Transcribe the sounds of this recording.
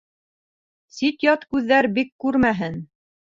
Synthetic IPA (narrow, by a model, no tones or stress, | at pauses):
sit̪jɑt̪kʉðːæɾbikːʉɾmæɦɘn